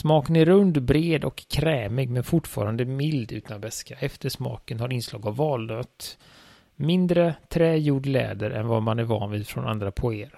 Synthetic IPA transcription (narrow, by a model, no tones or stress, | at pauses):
smɑːkənæɾɾɵnd̪bɾeːd̪ɔkʰːɾɛːmɪɡmɛnfʊʈfɑ̰ːɾand̪əmɪld̪ʉ̟ːt̪ʰanvɛskaʔɛft̪əʂmɑ̰ːkənhaɾɪnslɑ̰ːɡavːɑːlnøːt̪ | mɪnd̪ɾət̪ʰɾɛːjuːɖlɛ̰ːd̪əɾʔɛ̰nvamanæɾvɑ̰ːnviːd̪fɾɔ̰na̰nd̪ɾapʰʊeːəɾ